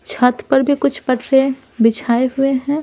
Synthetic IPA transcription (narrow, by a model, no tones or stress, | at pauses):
t͡ʃʰət̪pəɾbʱikʊt͡ʃʰpəʈʰɾe | bɪt͡ʃʰaːeɦʊeɦɛ̃ː